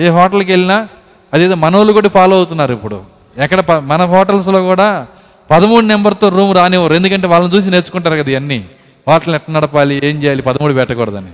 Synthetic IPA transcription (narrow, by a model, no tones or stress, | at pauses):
eːɦɔːʈɐluk̬e̞ɭːinaː | ɐd̪eːd̪oːmɐnoːlukoʈːipaːlɐwut̪unːaːɾuipːuɽṵ | ɛkːɐɽɐpɐmɐnɐɦɔːʈɐls̬lo̞ːkuːɽaː | pɐd̪ɐmuːɽunembɐɾt̪o̞ːɾuːmɾaːneːʋɐɾuend̪ukɐɳʈe̞ːʋaːlɐnit͡ʃuːs̬ineːt͡ʃːu̥kuɳʈaːɾkɐd̪ɐiʋɐnːi | hɔːʈɐlnɛʈːɐnɐɽɐpaːlieːɲt͡ʃɛːjaːlipɐd̪ɐmuːɽubɛʈːɐkɔːɽɐd̪ɐ̰ni